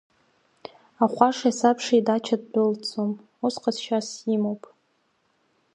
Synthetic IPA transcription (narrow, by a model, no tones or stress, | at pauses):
aχʷaʂasapʰʂaidat͡ʃʰad̚bʊlt͡sʰʼom | usqʼasʃasimowpʼ